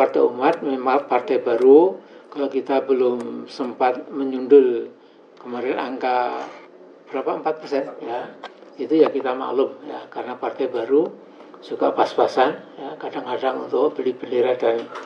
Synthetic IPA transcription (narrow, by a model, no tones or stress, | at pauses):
part̪aumat̪̚memapart̪ajbaɾukalokit̪abəlʊmsəmpat̪̚məɲundʊl | kəmaɾianʔa̰ŋka | b̥əɾapaəmpat̪̚pərsɛnjait̪ujakit̪ama̰klʊmja̰karənapart̪ajbaɾu | suka̰paspasanjakadaŋkadaŋṵnt̪ʊk̚bəlibəliɾadan